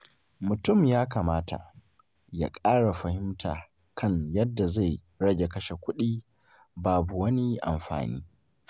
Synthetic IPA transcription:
mʊ˨tʊ˦˨mjaː˦kaː˨maː˦tʰa̰˨ | ja̰ː˦kʼaː˦ɽa˨ɸɐ˨hɪ˦mtʰa̰ː˨ | kʰɐ˦˨ɲjɐ˦dːa˨za˦˨j | ɽɐ˦ɡʲe˨kɐ˦ʃe˨kʷʊ˦ɗiː˦ | baː˨bu˨wɐ˦ni˦ʔa̰˨mɸa̰ː˨nḭː˦

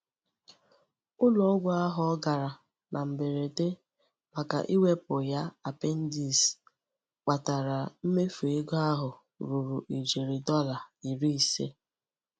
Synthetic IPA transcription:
ʊ˦lɔ˨˦ɡʷɔ˦a˦ɦɔ˨ɔ˦ɡa˨ɾa˨ | na˨m̩˨be˨ɾe˨te˦ | ma˨ka̰˨ʔi˦we˦pʊ˨ja˦a˨pe˦n̩˦di˦˨s | k͡pa˨ta˨ɾa˨m̩˦me˦fu˨e˦ɡɔ˦a˦ɦʊ˨ | ɾu˨ɾu˨ʔi˨d͡ʒe˨ɾi˨dɔ˦la˨i˨ɾi˦i˨sḛ˦

